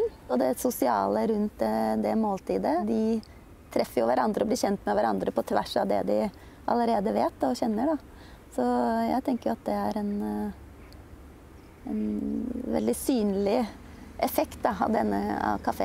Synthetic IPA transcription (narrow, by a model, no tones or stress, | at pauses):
n | ɔd̪ɛsʊsɪɑ̰ːləɾʉnt̪̚d̪ɛd̪ɛmoːlt̪ʰiːd̪əd̪ɪ | t̪ʰɾɛfːəɾjʊʋæɾɑnd̪ɾəɔblɪːɾçɛnt̪mɛʋæɾɑ̰nd̪ɾəpʰɔt̪ʰʋæʂɑʋd̪ɛ̰d̪ɪ | ʔɑ̰ləɾeːd̪əʋeːt̪ːɔçɛnːəɖɑ | sɔjæ̰ɪt̪ʰɛŋkəɾjʊɑt̪̚d̪ɛæɾɛn | ɛnʋɛ̰ld̪ɪsyːnlɪ | ʔɛfɛkt̪̚d̪ɑɑ̰ʋd̪ɛnːə̰ɑ̰ʋkʰɑfḛː